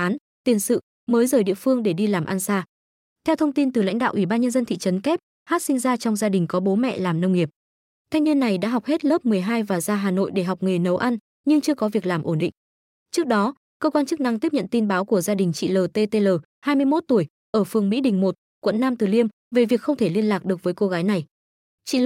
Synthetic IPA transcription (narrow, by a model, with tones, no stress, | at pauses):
ʔaː˨˦n | t̪i˨˩ənsɨ̰˧˨ | məː˨˦jzəː˧˩jɗḭ˧˨əfɨ˧əŋɗe˧˩ɗi˧laː˨˩mʔa˧nsaː˧ | t̪ʰɛ˧wt̪ʰə˧wŋ͡mt̪i˧nt̪ɨ˨˩la̰˧˥ŋ̟ɗa̰ː˧˨ʔi˧˩ɓaː˧nɲə˧nzə˧nt̪ʰḭ˧˨t͡ɕə˨˦nkɛ˦˥p̚ | haː˦˥t̚sï˧ŋ̟zaː˧t͡ɕɔ˧wŋ͡mzaː˧ɗï˨˩ŋ̟kɔ˨˦ɓo˨˦mɛ̰˧˨laː˨˩mnə˧wŋ͡mŋi˨˩əp̚ | t̪ʰa˧ŋ̟vi˧ənːa˨˩jɗa̰ː˧˥ɦa˨˩wk͡p̚he˦˥t̚ləː˦˥p̚mɨ˨˩əjɦaː˧jvaː˨˩zaː˧ɦaː˨˩no̰˧˨jɗe˧˩ɦa˨˩wk͡p̚ŋɨ˨˩nə˨˦wʔa˧n | ɲɨ˧ŋt͡ɕɨ˧əkɔ˨˦vi˨˩ək̚laː˨˩mʔo˧˩nɗḭ̈˧˨ŋ̟ | t͡ɕɨ˦˥ək̚ɗɔ˨˦ | kəː˧kwaː˧nt͡ɕɨ˦˥k̚na˧ŋt̪i˦˥əp̚ɲə̰˧˨nt̪i˧nɓaː˨˦wku˧˩əzaː˧ɗï˨˩ŋ̟t͡ɕḭ˧˨ləː˨˩t̪e˧t̪e˧ləː˨˩ | haː˧jmɨ˧əjmo˦˥t̚t̪u˧˩əj | ʔəː˧˩fɨ˨˩əŋmḭ˧˥ɗï˨˩ŋ̟mo˨˩t̚ | kwə̰˧˨nːaː˧mt̪ɨ˨˩li˧əm | ve˨˩vi˨˩ək̚xə˧wŋ͡mt̪ʰe˧˩li˧ənlaː˨˩k̚ɗɨ˨˩ək̚vəː˨˦jko˧ɣaː˨˦jna˨˩j | t͡ɕḭ˧˨